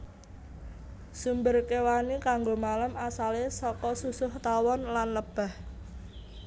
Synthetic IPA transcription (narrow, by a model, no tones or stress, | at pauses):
sumbərkewanikaŋɡomalamasalesɔkɔsusʊht̪awɔnlanləb̥a̤h